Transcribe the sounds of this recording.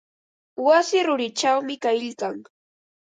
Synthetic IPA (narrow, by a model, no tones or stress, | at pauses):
wasɪɾʊɾɪt͡ʃawmɪkajʎkaŋ